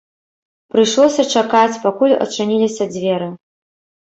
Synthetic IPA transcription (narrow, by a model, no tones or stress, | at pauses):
pɾɨjʂlˠɔsʲɐt͡ʂakat͡sʲpakulʲɐ̰t͡ʂɨnʲilʲisʲɐd͡zʲvʲɛɾɨ